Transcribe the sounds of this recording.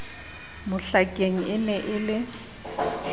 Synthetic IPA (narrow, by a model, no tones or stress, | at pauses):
mʊɬakʼeŋ̩ɪnɛʔɪlɪ